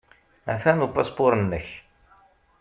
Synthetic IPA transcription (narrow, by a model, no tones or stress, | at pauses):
æ̰θænupɑspoɾˤənːəç